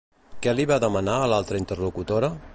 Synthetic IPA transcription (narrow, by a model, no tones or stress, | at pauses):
kɛliβaðəmənaəlalˠt̪ɾəint̪ərlukut̪oɾə